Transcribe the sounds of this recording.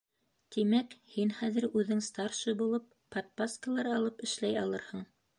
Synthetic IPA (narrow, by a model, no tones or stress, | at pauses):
t̪imækhinχæðɘ̆ɾʉðɘŋst̪ɑɾʃɤbulˠɤpːɐt̪̚paskəlˠɑɾɑlˠɤpɘ̆ʃlæjɑlˠɤɾhɤɴ